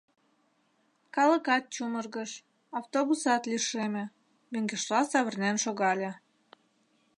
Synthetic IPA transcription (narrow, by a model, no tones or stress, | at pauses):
kɑlə̆kɑt̪̚t͡ɕumərɣəʃ | ɑwt̪oβusɑt̪lʲiʃemĕ | møŋɡeʃlɑsɑβə̆rnʲænʃoɣɑlʲĕ